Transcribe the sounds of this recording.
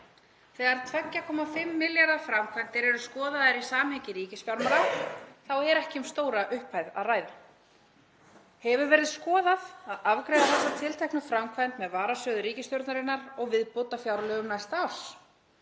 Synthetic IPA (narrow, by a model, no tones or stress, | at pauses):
θɛːɣaɾt̪ʰvɛcːakʰɔːmafɪmːɪljaɾðafɾamkʰvajnt̪ɪɾɛɾʏ̥skɔːðaðɪɾisaːmhɛcɪɾiːcɪsfjawɾmaɾaθawɛɾɛhcɪʏmst̪oːwɾaʔʏhphajða̰ðraːjða | hɛvʏɾvɛːɾɪðskɔːðaðaðavkɾeːjðaθɛsːḁt̪ʰɪlt̪ʰɛjhknʏfɾamkʰvant̪mɛðvaːɾasœːðʏɾiːcɪst̪jowɾt̪naɾɪnːaɾɔɣvɪðpot̪afjawɾlœɣnajst̪aws